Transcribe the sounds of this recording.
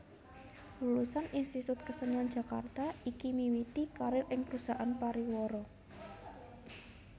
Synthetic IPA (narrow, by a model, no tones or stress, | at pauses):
lulusanʔinst̪it̪ʊt̪̚kəsənan̥d͡ʒ̥ä̤ka̰rt̪aikimiwit̪ikaɾɪlʔɪŋpɾusaʔanpaɾiwɔɾɔ